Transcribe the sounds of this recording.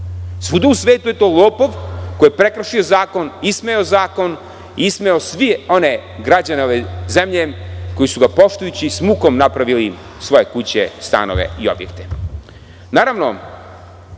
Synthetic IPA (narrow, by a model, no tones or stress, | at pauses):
sʋud̪uusʋeːt̪uje̞t̪oːlˠoːpoʋko̞jepɾekɾaʃiozaːko̞nismeozaːko̞n | iismeosʋio̞ne̞ɡɾad͡ʑaneoʋezemʎe̞ko̞jisuɡapo̞ʃt̪ujut͡ɕismuːko̞mnapɾaʋili | sʋo̞je̞kut͡ɕest̪a̰no̞̰ʋḛio̰bjḛkt̪e | naːɾaʋno̞